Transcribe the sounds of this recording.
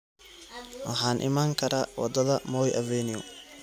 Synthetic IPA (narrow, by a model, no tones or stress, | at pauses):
wɐɦaːnʔɪ̰maːŋkʰɐɾaːwɐ̰d̪ɐðɐmɔːjʔɐvɛːnɪʊ